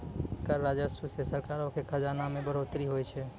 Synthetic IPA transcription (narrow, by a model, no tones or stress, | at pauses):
kəɾːad͡ʒəsusesəɾkaɾõkʰekʰəd͡ʒanamẽbəɾot̪ɾiɦojt͡ʃʰɛ